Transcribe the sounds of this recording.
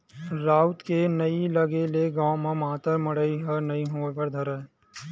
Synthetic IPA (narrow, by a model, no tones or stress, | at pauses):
ɾaːʊt̪kenɐilɐɡeleɡãːmãmãːt̪əɾmɐɽəiɦɐɾnɐiɦoːʋəɾd̪ʱəɾə